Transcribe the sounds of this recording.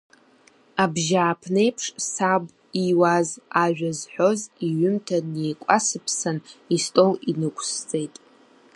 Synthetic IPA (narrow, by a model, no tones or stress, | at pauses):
abʒaːpʰne̞jpʰʂsabʷ | iwazaʒᶣazħʷo̞ziɥʏmtʰanejkʷʼasɨpʰsanistʼo̞winɨkʷʰʼst͡sʼe̞jtʼ